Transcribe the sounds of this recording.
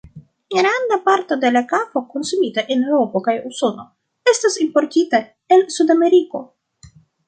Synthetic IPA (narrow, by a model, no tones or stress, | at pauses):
ɡɾand̪apaɾto̞de̞lakapokonsumitaʔenewɾopokajuso̞no̞ | e̞stasimpoɾtita | elsudame̞ɾiko̞